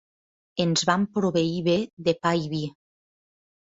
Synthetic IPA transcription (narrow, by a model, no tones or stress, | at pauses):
enzβampɾoβeiβeðepajβi